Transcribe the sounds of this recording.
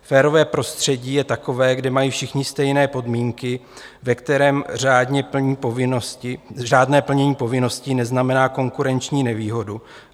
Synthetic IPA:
fɛːɾo̞vɛːpɾo̞st̪r̝̥ɛɟiːjɛt̪ako̞vɛːɡdɛmajiːfʃɪxɲɪst̪ɛjnɛːpo̞dmiːŋkɪvɛkt̪ɛɾɛːmraːdɲɛpɲiːpovɪnsɪʒaːdnɛːpl̩ɲɛɲiːpo̞vɪno̞scɪnɛznamɛnaːko̞ŋkuɾɛnt͡ʃɲiːnɛviːɦo̞du

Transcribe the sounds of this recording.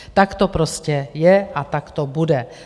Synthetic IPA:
t̪akt̪opɾoscɛjɛʔat̪akt̪obudɛ

